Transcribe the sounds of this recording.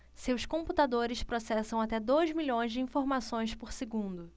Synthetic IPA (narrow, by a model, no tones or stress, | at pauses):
sewskõput̪ad̪oɾɪspɾosɛsɐ̃w̃at̪ɛd̪ojzmiʎõj̃zd͡ʒɪĩfoɾmasõj̃spoɾseɡũnd̪ʊ